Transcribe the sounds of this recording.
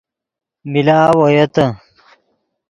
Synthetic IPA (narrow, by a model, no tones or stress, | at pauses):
milaːwɐjɐt̪ɐ